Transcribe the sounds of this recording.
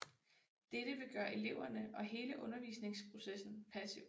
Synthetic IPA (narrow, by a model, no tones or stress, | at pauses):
d̥eɾ̥əʋe̝ɡ̥ɶːɐʔe̝le̝ʊ̰ɐnəʔɒ̽ɦe̝ːləʔɔ̽nɐʋḭːsne̝ŋspʰʁo̝sesn̩pʰæsi